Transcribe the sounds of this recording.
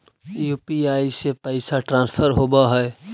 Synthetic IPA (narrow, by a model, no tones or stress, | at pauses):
jupiaːisepəɪsaʈɾãːspʰəɾɦobaɦɛe